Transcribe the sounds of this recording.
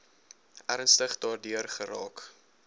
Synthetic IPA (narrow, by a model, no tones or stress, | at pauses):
ʔæɾənstəχdɑːrdyərχəɾɑ̰ːk